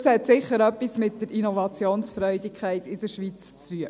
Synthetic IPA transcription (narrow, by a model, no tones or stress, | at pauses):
shɛtsɪχːəɾœpːismɪtd̥əɾʔinovɑt͡sjoːnsfɾœʏdɪkʰχæɪtɪd̥əɾʃʋit͡st͡styə